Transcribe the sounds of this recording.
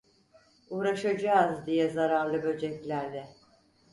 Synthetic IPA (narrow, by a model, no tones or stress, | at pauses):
uːɾaʃad͡ʒaːzd̪ijɛzaɾaɾlˠɯbø̞d͡ʒɛclʲæɾd̪ɛ